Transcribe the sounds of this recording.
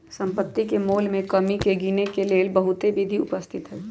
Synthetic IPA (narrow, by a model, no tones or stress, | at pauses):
sɐ̃mpət̪ːikemoːlmẽkɐmikeɡiːnekeleːlbɐɦʊt̪ebid̪ʱiʊpəst̪ʰɪt̪ɦɛː